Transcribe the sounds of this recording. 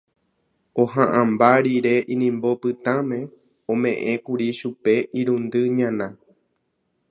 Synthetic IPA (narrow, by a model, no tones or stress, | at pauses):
oɦãʔãmbaɾiɾe̞ʔĩnĩmbo̞pɨt̪ãmẽ̞ | õmẽ̞ʔẽ̞kuɾiʃupe̞ʔiɾũnd̪ɨɲãnã